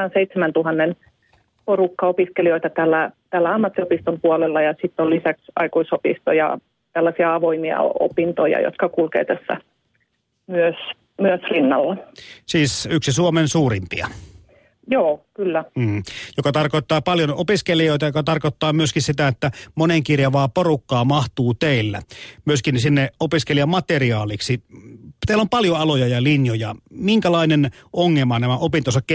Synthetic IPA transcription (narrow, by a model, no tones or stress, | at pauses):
ɑnseit̪semænt̪uhɑnːen | porukːɑopiskelioit̪ɑt̪ælːæt̪ælːæɑmːɑt̪ːiopist̪ompuolelːɑjɑsit̪ːolisæksɑ̰ikuisopḭst̪o̰jɑ̰ | t̪ælːæsiɑɑʋoimiɑ̰o̰pint̪ojɑ̰jo̰t̪kɑkulkḛːt̪æsːæ̰ | myøs | myøsrinːɑ̰lːɑsiːsyksisuomensuːrimpḭɑ̰ | joːkylːæːjokɑt̪ɑrkoˑit̪ːɑːpɑljonopiskelijoit̪ɑjokɑt̪ɑrkot̪ːɑːmyøskinsit̪æet̪ːæmoneŋkirjɑʋɑːporukːɑːmɑht̪uːt̪eilːæ̰myøskinsinːeopiskelijɑmɑt̪eriɑːliksit̪eˑilːompɑljoɑlojɑjɑlinjojɑ̰miŋkælɑˑinenʔoŋːemɑnæmæopint̪osɑkk